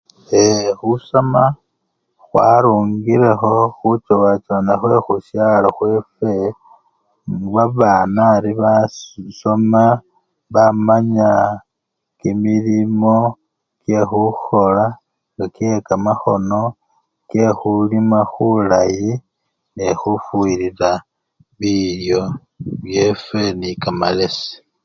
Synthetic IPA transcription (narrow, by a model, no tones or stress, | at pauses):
exusoma | xwa̰ɾuːŋɡiɾe̞xo̞xut͡ʃowat͡ʃanaxwe̞xusjaloxwefe̞ | ŋβaβaːnaɾiβaso̞ma | βamaɲa | kimilimo̞ | kjexuxo̞la | ŋɡakekamaxo̞no̞ | kexulimaxulaji | nexufuiɾiɾa | βiɾjo̞ | βje̞fe̞nikamale̞se̥